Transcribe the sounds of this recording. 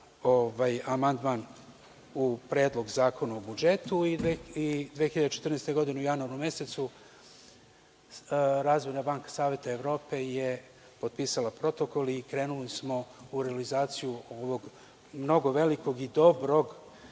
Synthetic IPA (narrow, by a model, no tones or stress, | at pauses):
oʋajamand̪man | upɾe̞ːd̪lˠo̞ɡzaːkʰo̞naobud͡ʒe̞t̪uiid̪ʋexiʎad̪et͡ʃet̪r̩nest̪oɡo̞d̪ineujanuaɾumje̞se̞t̪su | ɾaːzʋo̞jnabaːŋkḁsaːʋe̞t̪aeʋɾo̞ːpe̞je | po̞d̪̚piːsalˠapɾo̞t̪o̞ko̞likɾe̞ːnulismo̞uɾealizaːt̪sijuoʋo̞ɡ | mno̞ɡo̞ʋe̞liko̞ɡid̪o̞bɾo̞ɡ